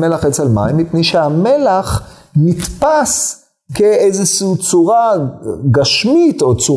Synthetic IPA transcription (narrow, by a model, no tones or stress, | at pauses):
melaχet͡selma̰imːipneʃehamelaχ | nit̪pas | keejzeʃut͡suʁaɡaʃmit̪o̞t͡su